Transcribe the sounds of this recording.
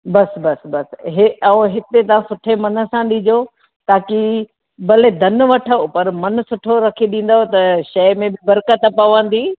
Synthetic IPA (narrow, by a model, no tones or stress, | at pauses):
bɐsbɐsbɐsɦeɐ̃ɦɪt̪et̪ɐʋ̤ãsʊʈʰemɐnə̆sãɗĩd͡ʑo | t̪aːki | bɐled̪ʱɐnʋɐʈʰəpɐɾmɐn̆sʊʈʰoɾɐkʰiɗĩːn̆d̪aɦot̪ɐʃɐmẽbɪbɐɾkət̪pɐʋə̃nd̪iː